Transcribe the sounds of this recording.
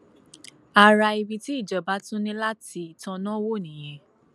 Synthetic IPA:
a˧ɾa˧i˧bi˧ti˦i˦˨d͡ʒɔ˨˦ba˨˦tũ˦nĩ˧la˦ti˧i˨tã˧nã˦wo˦˨nĩ˨j̃ɛ̃˨˧˦

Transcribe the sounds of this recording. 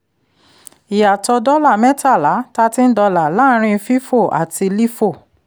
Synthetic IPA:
i˨ja˨tɔ˧dɔ˦la˦˨mɛ̃˦ta˦˨la˨˦ta˧˦tĩ˦n̩˦dɔ˧la˨la˦ɾ̃ĩ˧fi˦fo˦˨ʔa̰˨ti˧li˦fo˦˨

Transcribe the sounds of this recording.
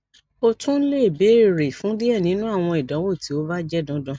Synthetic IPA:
o˧tũ˦n̩˦le˦˨be˨˦˨ɾe˨fũ˨˦di˦ɛ˦˨nĩ˨˦nũ˦a˦˨w̃ɔ̃˧i˨dã˨˦wo˦˨tʰi˨˦o˦ba˦d͡ʒɛ˦˨dɔ̃˨˦dɔ̃˧˦

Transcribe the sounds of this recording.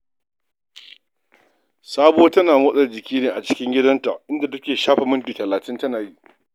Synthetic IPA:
saː˦boː˦tɐ˦naː˨mʊ˦sʼɐ˨rd͡ʒɪ˨kʲiː˦neː˨ʔa˨t͡ʃɪ̥˦kʲɪ˦ŋɡʲɪ˦dɐ˦nta̰˨ʔɪ˦nda˨tɐ˦kʲeː˨ʃaː˦ɸa˨mʊ˦ŋkʲiː˨tɐ˨laː˨tɪ˦ntɐ˦naː˨ji˦

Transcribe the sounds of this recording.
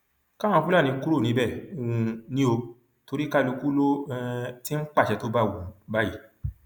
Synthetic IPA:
kã˦ã˧fũ˦la˦˨ĩ˧˦ku˦ɾo˦˨nĩ˨˦bɛ˦˨o˨wũ˧nĩ˦o˧ | to˧ɾi˦ka˦˧lu˧ku˦lo˦˧ti˦n̩˦k͡pa˦˨ʃɛ˧˨to˨˦ba˦˨wu˨ba˦ji˨

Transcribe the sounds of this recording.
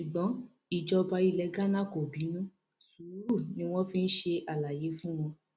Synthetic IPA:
ʃu˨ɡ͡bɔ̃˨˦ | i˨d͡ʒɔ˧ba˧i˧lɛ˧ɡa˦nã˦˨ko˨bĩ˨˦nũ˦ | su˨˦ɾu˦˨nĩ˦w̃ɔ̃˦fĩ˦n̩˦ʃe˧ʔa˨la˨je˨˦fũ˦w̃ɔ̃˧

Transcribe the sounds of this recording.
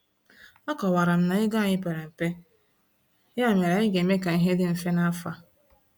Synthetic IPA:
ɔ˦kɔ˨wa˨ɾa˨m̩˦na˨ɪ˦ɡa˦˨ɲɪ˦pe˨ɾe˨m̩˨pe˦ | ja˦˨me˨ɾa˨ɪ˦ɡe˨me˦ka˨i˦ɦe˦dɪ˦m̩˨fe˦na˦fa˦

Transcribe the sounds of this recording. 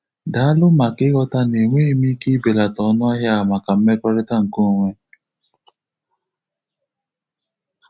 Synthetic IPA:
da˨a˦lʊ˦ma˨kɪ˦ɣɔ˦ta˦ne˨ŋʷe˦mi˦ki˦be˨la˨tɔ˨˦nɔ˦a˦ɦja˦a˨ma˨ka˨m̩˦me˦kɔ˦ɾɪ˦ta˦ŋ̩˨ko˦˨ŋʷe˦

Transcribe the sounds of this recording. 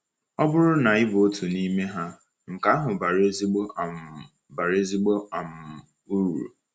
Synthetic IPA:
ɔ˦bʊ˦ɾʊ˦na˨ɪ˦bo˨o˦tʰu˨ni˦me˦ɦa˦ | ŋ̩˨ka˨˦ɦʊ˨ba˨ɾe˦zi˦ɡ͡bo˦˨m | ba˨ɾe˦zi˦ɡ͡bo˦a˨m̩˨ | u˦˨ɾṵ˨

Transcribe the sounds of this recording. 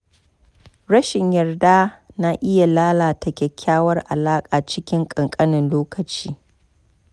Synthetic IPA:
ɽɐ˦ʃɪ˨ɲjɐ˨rdaː˦na˦ʔɪ˦ja˨laː˦laː˨tʰɐ˨kʲɛ˨kʲʰːaː˦wɐ˦rʔa̰˨laː˦kʼaː˨t͡ʃɪ˦kʲɪ˦ŋkʼɐ˨ŋkʼɐ˦nɪ˨nloː˦kɐ˨t͡ʃiː˦

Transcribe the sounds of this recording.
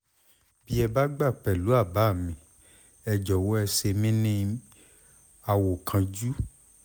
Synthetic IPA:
bi˦ɛ˧ba˦ɡ͡ba˦˨k͡pɛ˨lu˨˦a˦˨ba˨˦˨mĩ˨ | ɛ˧d͡ʒɔ˨wo˦ɛ˧se˧mĩ˦nĩ˦ | a˧wo˨kʰã˧d͡ʒu˦

